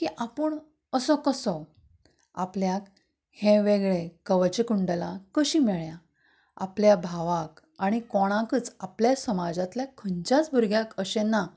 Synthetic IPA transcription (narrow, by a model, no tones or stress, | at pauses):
kiʔapəɳ | əsɔkəsɔ | apljak | hẽʋeɡɭekəʋət͡ɕekuɳɖəlakəɕiːmeɭja | a̰pljabʱaʋak | aɽ̃ikɔɽ̃ãkət͡sapljasəmad͡zat̪ljakʰəɲt͡ɕjat͡sbʱuɾɡjakəɕenːa